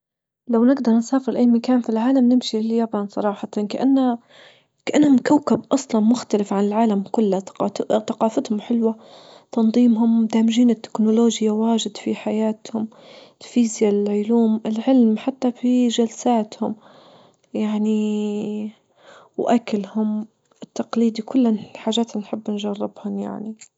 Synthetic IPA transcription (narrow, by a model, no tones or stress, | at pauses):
lawnɪɡd̪ɑɾˤnsaːfɪɾlʔaːmakaːnfilʕaːlamnɪmʃilːjabɑnsˤɑ̰ɾˤɑːħɑt̪ɑnkaʔanːa | kaʔanːhʊmkawkab̚ʔɑsˤlɑnmʊxt̪alɪfʕanɪlʕaːlamkʊlːaθɑqɑːfɪt̪hʊmħɪlwa | t̪ɑnðˤiːmɦʊmd̪aːmɪʒiːnɪt̪ːɪ̥knʊloːʒjawaːʒɪd̪fiħajaːt̪hʊm | fiːzjaʕʊluːmɪlʕɪlmħat̪ːafiʒalsaːt̪hʊm | jaʕni | wʔakalhʊm | ɪt̪ːɑqliːd̪ikʰʊlːħaːʒaːt̪nħɪbːnʒɑrˤːɪbhʊmja̰ʕni